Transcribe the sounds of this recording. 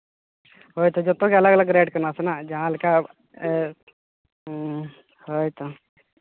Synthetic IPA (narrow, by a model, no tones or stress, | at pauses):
ɦojt̪od͡ʒot̪okʲɐlaɡlaɡɾeɖkəɾnaːsənad͡ʑaɦãlka | ɦojt̪ʰo